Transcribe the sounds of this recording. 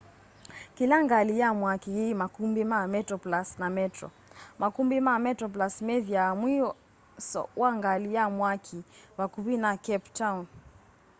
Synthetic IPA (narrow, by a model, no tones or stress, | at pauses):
kilaŋɡalijamwakihimakumbimamɛtɾɔplasnamɛtɾɔ̰ | makumbimamɛtɾɔp̬lasmɛðiamwi | sɔ̰waŋɡalijamwakʰiwakuβinakɛptawn